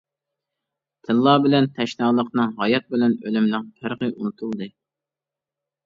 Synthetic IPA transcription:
t̪ʰɪnlˠɑːbɪlɛnt̪ʰɛʃnɑlˠəqnɨŋɦɑjɑt̪̚bɪlɛnølymlɪŋpʰæɾʁəʔunɨt̪ʰulˠd̪ɨ

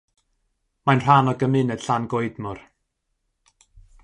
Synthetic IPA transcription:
majnr̥anɔɡəmɪnɛd̥ɬanɡoɨdmʊr

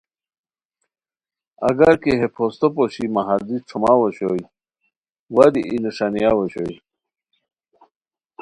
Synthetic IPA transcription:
ɐ̰ɡɐɾkeɦepʰost̪opoɕimaɦald̪iʈ͡ʂʰumawoɕoj | wad̪iʔineʂanijawoɕo̰j

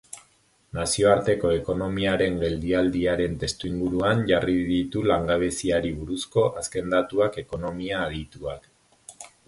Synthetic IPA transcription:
nasio̞aɾt̪e̞ko̞e̞ko̞no̞miaɾe̞ŋɡe̞ld̪iald̪iaɾe̞nt̪e̞st̪uiŋɡuɾuanʝariðit̪ulaŋɡaβ̞e̞siaɾiβuɾusko̞ʔaske̞nd̪at̪uake̞ko̞no̞miaːɣit̪uak

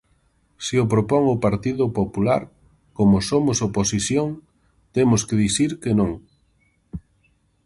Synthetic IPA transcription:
siʊp̬ɾopɔŋʊpaɾt̪iðʊpopulaɾ | komʊsomʊsoposiθjoŋ | t̪emʊskɪðiθiɾkenõŋ

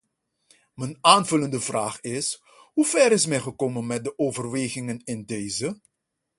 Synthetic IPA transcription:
mənaːnvɵləndəvraːχɪs | ɦuv̥ɛɾɪsmɛjχəkoːmənmɛt̚dəʔoːvərʋeːχɪŋənɪndeːjzə

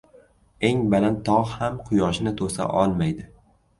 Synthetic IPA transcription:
e̞ŋbalant̪ʰːɒʁhamqʰʊjɒʃnɪt̪ʰosa̰ʔɒlˠmajd̪ɪ

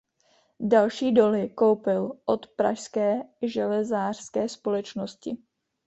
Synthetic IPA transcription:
dalʃiːdo̞lɪko̞wpɪlʔo̞t̪pɾa̰ʃskɛːʒɛlɛzaːr̥skɛːspo̞lɛt͡ʃnoscɪ̰

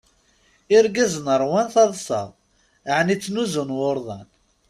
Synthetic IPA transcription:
ɪɾɡəznəɾˤwænθɑðˤsə̰ðˤ | ʕnit͡sːnuzʊnwʊɾˤðˤɑn

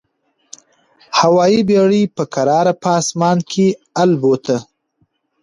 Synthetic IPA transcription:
hawɑibeɽipəkaɾɑːɾapɑːsmɑːnkʰealbot̪ʰə

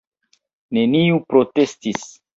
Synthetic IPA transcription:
ne̞niupɾotestis

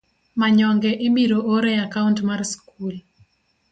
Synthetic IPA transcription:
maɲɔŋɡɛʔɪbiɾooɾɛakauntmarskul

